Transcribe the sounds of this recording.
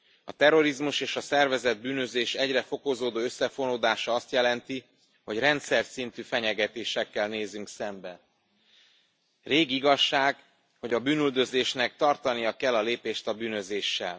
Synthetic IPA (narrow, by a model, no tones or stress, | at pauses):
ɒt̪ɛɾo̞ɾizmuʃeːʃɒsɛrvɛzɛd̪̚byːnø̞zeːʃɛɟrɛfo̞kozoːd̪oːøsːɛfo̞noːd̪aːʃɒɒst̪jɛlɛnt̪i | ho̞ɟrɛnt̪sɛrsint̪yfɛɲɛɡɛt̪eːʃɛkːɛlneːzyŋksɛmbɛ | reːɡiɡɒʃːaːɡ | ho̞ɟɒbyːnyld̪ø̞zeːʃnɛk̚t̪ɒrt̪ɒnijɒkɛlːɒleːpeːʃt̪ɒbyːnø̞zeːʃːɛ̰l